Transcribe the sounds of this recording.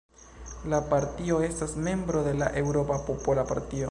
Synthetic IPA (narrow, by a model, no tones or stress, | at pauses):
lapaɾtio̞e̞stasme̞mbɾo̞de̞laʔe̞wɾo̞papo̞polapa̰ɾtio